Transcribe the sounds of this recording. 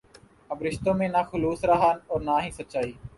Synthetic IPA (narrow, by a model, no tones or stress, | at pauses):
əbɾɪʃt̪õːmẽːnaːxʊluːsɾaɦaːnɔːɾnaːɦiːsətːt͡ʃaːiː